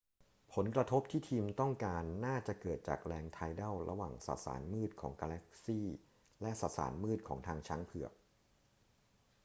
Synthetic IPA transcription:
pʰo˩˦nkɾa˧t̪ʰo˦˥p̚t̪ʰiː˥˩t̪ʰiː˧mt̪ɔ˥˩ŋkaː˧nːaː˥˩t͡ɕa˨˩kɤː˨˩t̪̚t͡ɕa̰ː˨˩k̚ɾɛː˧ŋt̪ʰaː˧jdɛ˥˩wɾʔa̰˧waː˨˩ŋsa̰˨˩t̪̚sa̰ː˩˦nmɯː˥˩t̪̚kʰɔː˩˦ŋkaː˧lɛ˦˥k̚siː˥˩ | lɛ˦˥ʔsa˨˩sa̰ː˩˦nmɯː˥˩t̪̚kʰɔ̰ː˩˦ŋt̪ʰaː˧ŋt͡ɕʰa˦˥ŋpʰɯ˨˩ək̚

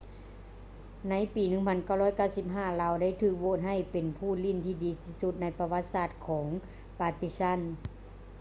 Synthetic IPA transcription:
na˧˥jpiː˨˩nɯ˧˥ŋpʰa˧˥nka˧˥˩wlɔː˧˥˩jka˧˥˩wsi˧p̚ɦaː˧˥˩laː˧wda˥˩jt̪ʰɯː˧˩k̚woː˧˨t̪n̚ɦa˧˥˩jpe˨npʰuː˧˩˨li˧˥˩nt̪ʰiː˧˩diː˨˦t̪ʰiː˧˥su˧˦˥t̪̚na˧˥jpa˧wa˧˥t̪̚saː˧˩t̪̚kʰɔː˩˦ŋ | paː˧t̪i˧˥sa˧˥˨n

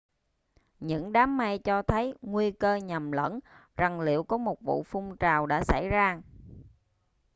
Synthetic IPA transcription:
ɲɨ̰˧˥ŋɗaː˨˦mːa˧jt͡ɕɔ˧t̪ʰə˨˦jŋwi˧əkəː˧ɲa˨˩mlə̰˧˥nza˨˩ŋlḭ˧˨əwkɔ˨˦mo˨˩t̚vṵ˧˨fʊ˧ŋ͡mt͡ɕaː˨˩wɗa̰ː˧˥sa̰˧˩jzaː˧

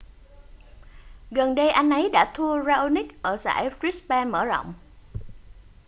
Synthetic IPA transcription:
ɣə˨˩nɗə˧jʔa˧jŋ̟ʔə˨˦jɗa̰ː˧˥t̪ʰu˧əzaː˧ʔo˧ni˦˥k̚ʔəː˧˩sa̰ː˧˥˩jfɾi˦˥spɛː˧nmə̰ː˧˩zɔ̰˧˨wŋ͡m

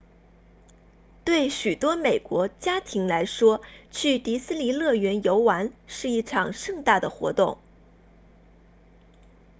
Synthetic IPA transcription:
t̪we˥˩ɪɕy˨˩t̪wɔ˥me˨˩ɪkwɔ˧˥t͡ɕja˥t̪ʰi˧˥ŋla˧˥ɪʂwɔ˥t͡ɕʰy˥˩t̪i˧˥sɹ̩˥li˨˥lɤ˥˩ɥɛ˧˥njo˧˥ʊwa˧˥nʂɻ̩˥˧i˥˩ʈ͡ʂʰɑ˨˩ŋʂɤ˥˧ŋt̪a˥˩d̪ə˩xwɔ̰˧˥t̪ʊ˥˩ŋ

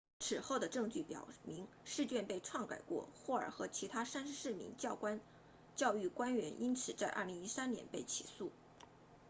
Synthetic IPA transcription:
ʈ͡ʂ̩ʰ˨˩xo˥˩ʊd̪ə˩ʈ͡ʂɤ˥˧ŋt͡ɕy˥˩pjɑ̰˨˩ʊmi˧˥ŋ | ʂɻ̩˥˧t͡ɕjɛ˥˧npe˥˧ɪʈ͡ʂʰwɑ˥˩ŋka̰˨˩ɪkwɔ̰˥˩xwɔ˥˩ə̰˞˨˩xɤ˧˥t͡ɕʰi˧˥t̪ʰa˥sa˥nʂɻ̩˧ʂɻ̩˥˩mḭ˧˥ŋt͡ɕjɑ˥˩ʊkwa˥n | t͡ɕjɑ˥˧ʊy˥˩kwa˥nɥɛ̰˧˥nʔi˥nt͡sʰɹ̩˨˩t͡sa˥˧ɪʔɐ̰˥˩li˧˥ŋi˥sa˥nnjɛ̰˧˥npe˥˩ɪt͡ɕʰi̥̰˨˩su˥˩

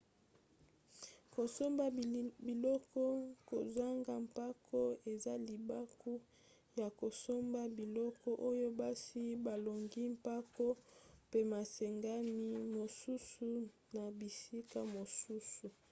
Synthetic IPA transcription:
ko˨so˦mba˦˨bi˨lɔ˦kɔ˦ko˨za˦ŋɡa˨mpa˦kɔ˦e˨za˦li˨ba˦ku˦ | ja˨ko˨so˦mba˦bi˨lɔ˦kɔ˦ʔo˦jo˦ba˦si˦ba˨lo˨ŋɡi˦mpa˦kɔ˦pe˦ma˨sɛ˨ŋɡa˦mi˦mo˨su˦su˦ | na˨bi˨si˦ka˦mo˨su˦su˨

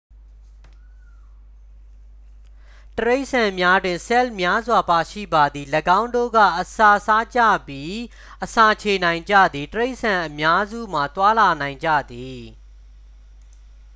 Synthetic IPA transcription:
təɹe˦ɪʔsã˨mja˦dwɪ̃˨nsɛ˦lmja˦zwa˨pa˨ʃḭ˦˨ba˨d̪ði˨ləɡã˦ʊ̃ndo̰˦˨ɡä̰˦˨ʔəsa˨sa˦t͡ɕä̰˦˨bji˦ | ʔəsa˨t͡ɕʰe˨nã˨ɪ̃ɲd͡ʑä̰˦˨d̪ði˨təɹe˦ɪʔsã˨ʔəmja˦zṵ˦˨m̥a˨t̪wa˦la˨nã˨ɪ̃ɲd͡ʑä̰˦˨d̪i˨

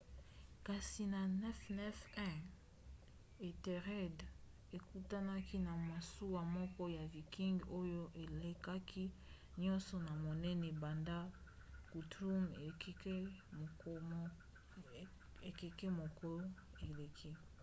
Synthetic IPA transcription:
ka˨si˨na˨nɛ˦fnɛ˦fɛ̃˦ | e˨te˨ʁɛ˦d | e˨ku˦ta˦na˦ki˦na˨ma˨su˦wa˨mɔ˦kɔ˦ja˨vi˨ki˦ŋɡo˦jo˦ʔe˨le˨ka˦kʰi˦ | ɲɔ̃˦nsɔ˨na˨mo˨nɛ˦nɛ˨ba˨nda˦ | ku˨tʁu˦me˨kke˦˨˦ | e˨ke˨kɛ˦mo˨ko˦e˨le˨kʰi˦

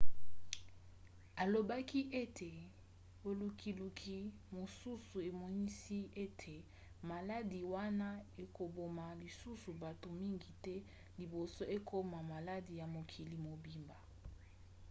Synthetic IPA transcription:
a˨lo˨ba˦ki˦ʔe˦tʰe˨ | bo˨lu˨kʰi˨lu˨kʰi˨ | mo˨su˦su˨e˨mɔ˨ni˦si˦e˦tʰe˨ | ma˨la˦di˨wa˦na˦e˨ko˨bo˨ma˨li˨su˦su˨ba˨to˨mi˦ŋɡi˨tɛ˦ | li˨bo˨so˦e˦kʰo˦ma˨ma˨la˦di˨ja˨mo˨kʰi˨li˨mo˨bi˨mba˨

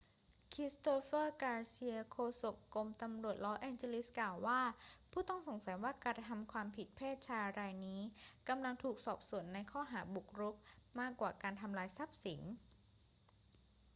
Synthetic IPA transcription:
kʰɾi˦˥st̪oː˧fɤː˥˩kaː˧si˧əkʰoː˧so˨˩kkːo˧mt̪a˧mɾu˨˩ət̪̚lɔː˦˥ʔɛː˧nt͡ɕe˧li˦˥sklaː˨˩wːaː˥˩pʰuː˥˩t̪ɔ˥˩ŋso˩˦ŋsa˩˦jwaː˥˩ka˧t̪ʰa˧mkʰwaː˧mpʰi˨˩t̪̚pʰeː˥˩t̪̚t͡ɕʰaː˧jɾaː˧jniː˦˥ka˧mla˧ŋt̪ʰuː˨˩k̚sɔː˨˩p̚su˨˩˦ənːa˧jkʰɔː˥˩ɦaː˩˦bu˨˩k̚ɾu˦˥p̚maː˥˩kwaː˨˩kaː˧nt̪ʰa˧mlaː˧jsa˦˥p̚si˩˦n

